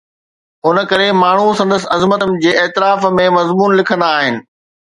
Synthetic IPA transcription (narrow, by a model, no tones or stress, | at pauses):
ʊnəkɐɾemaːɳ̤usɐ̃nd̪əs̬ɐzmət̪əmɪ̆d͡ʑeːeːt̪ɪɾaːfmẽmɐzmuːnlɪkʰə̃nd̪aːɦɪnɪ̆